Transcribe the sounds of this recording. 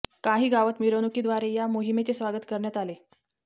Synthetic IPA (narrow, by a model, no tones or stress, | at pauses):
kaɦiːɡaʋət̪miɾonukid̪ʋaɾejamoɦimet͡sesʋaɡət̪kəɾɳjat̪ale